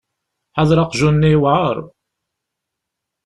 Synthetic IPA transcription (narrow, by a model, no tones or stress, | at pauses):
ħaðɾˤɑqʒunːiwʕəɾˤ